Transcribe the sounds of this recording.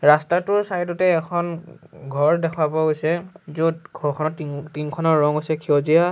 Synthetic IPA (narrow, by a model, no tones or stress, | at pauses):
ɹastatʊɹsajdɔtɛːkʰɔnɡʱɔɹdɛkʰwabɔɦojsɛzudɡʱɔɹkʰɔnɔtitinkʰɔnɔɹːɔŋojsɛkʰiɔzija